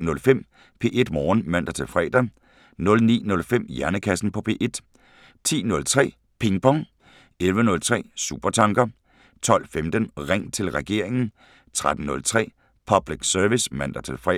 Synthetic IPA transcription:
nɔ̽lfem̰ | pʰe̝̰ːʔe̝d̥mɒːnmæn̰d̥ɐt͡sʰe̝lfʁɛ̰ːd̥ɐ | nɔ̽lnḭːnɔ̽lfem̰jæɐnəkʰæsn̩pʰɒ̽pʰe̝̰ːʔe̝d̥ | t͡sʰḭːnɔ̽lt͡sʰʁɛ̰ː | pʰe̝ŋpʰɒ̽ŋ | elʋənɔ̽lt͡sʰʁɛ̰ːsṵb̥ɐt͡sʰɑ̈ŋɡ̥ɐ | t͡sʰɒ̽l̰femd̥ənʁeŋ̰t͡sʰe̝lʁɛɡ̥e̝̰ɐ̰e̝ŋn̩ | t͡sʰʁad̥n̩ːɔ̽lt͡sʰʁɛ̰ː | pʰɒ̽b̥liɡ̥sœɐʋismæn̰d̥ɐt͡sʰe̝lfʁɛ̰

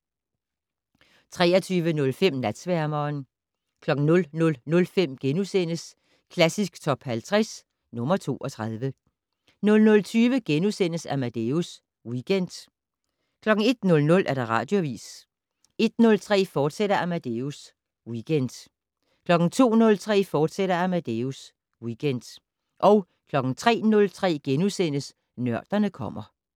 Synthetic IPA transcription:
t͡sʰʁɛ̰ːɐt͡sʰyːʋənɔ̽lfem̰næd̥sʋæɐmɐːn | kʰlɒ̽ɡ̥ŋ̩nɔ̽lnɔ̽lnɔ̽lfem̰ɡ̥enusen̰əs | kʰlæsisɡ̥t͡sʰɒ̽b̥hælt͡sʰʁɛs | nɔ̽mɐt͡sʰo̝̰ːʔɒ̽t͡sʰʁað̞ˠʋə | nɔ̽lnɔ̽lt͡sʰyːʋəɡ̥enusen̰əsæmæd̥eus | wiɡ̥en̰d̥ | kʰlɒ̽ɡ̥ŋ̩e̝d̥nɔ̽lnɔ̽lʔæɐɾ̥ɑ̈ʁɑ̈ːd̥jo̝æʋḭːs | e̝d̥̚nɔ̽lt͡sʰʁɛ̰ːfɒːd̥seɾɐʔæmæd̥eus | wiɡ̥end̥ | kʰlɒ̽ɡ̥n̩t͡sʰo̝̰ːnɔ̽lt͡sʰʁɛ̰ːfɒːd̥seɾ̥ɐæmæd̥eus | wiɡ̥en̰d̥ | ʔɒ̽ʊ | kʰlɒ̽ɡ̥n̩t͡sʰʁɛ̰ːnɔ̽lt͡sʰʁɛ̰ːɡ̥enusen̰əs | nɶɐ̰d̥ɐnəkʰɒ̽m̰ɐ

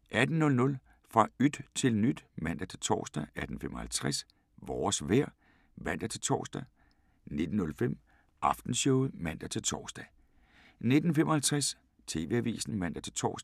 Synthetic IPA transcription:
ʔæd̥n̩nɔ̽lnɔ̽l | fʁɑ̈yd̥t͡sʰe̝lnyd̥mæn̰d̥ɐt͡sʰe̝lt͡sʰɒ̰ːsd̥ææd̥n̩fem̰ʔɒ̽hælt͡sʰʁɛs | ʋɒːsʋæɐ̰ | ʋæn̰d̥ɐt͡sʰe̝lt͡sʰɒ̰ːsd̥ɛ | ne̝d̥n̩nɔ̽lfem̰ | ʔɑ̈fd̥n̩ɕɔʊmæn̰d̥ɐt͡sʰe̝lt͡sʰɒ̰ːsd̥ɛ | ne̝d̥n̩femʔɒ̽hælt͡sʰʁas | t͡sʰe̝̰ːʋe̝æʋḭːsn̩mæn̰d̥ɐt͡sʰe̝lt͡sʰɒ̰ːsd

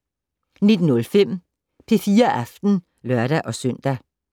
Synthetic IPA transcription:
ne̝d̥nɔ̽lfem̰ | pʰe̝fiːɐʔæfd̥n̩ | lœɐɾ̥æʔɒ̽sœn̰d̥æ

